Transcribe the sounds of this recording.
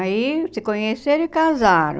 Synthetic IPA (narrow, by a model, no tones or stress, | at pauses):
isɪkõɲeseɾ̃ikazaɾ̰̃